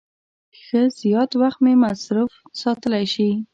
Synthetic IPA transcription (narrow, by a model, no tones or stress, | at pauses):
xəz̥jɑt̪waxt̪memasɾufsɑt̪əlajʃi